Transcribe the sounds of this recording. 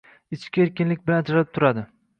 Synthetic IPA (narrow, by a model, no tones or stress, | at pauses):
ɪt͡ʃkʲaeɾkʲɪnlɪk̚ʲbɪland͡ʒɾɪp̚t̪ʰʊɾad̪ɪ